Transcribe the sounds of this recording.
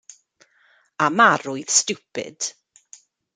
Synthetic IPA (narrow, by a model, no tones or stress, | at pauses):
amaɾʊɨðstupɪ̰d̥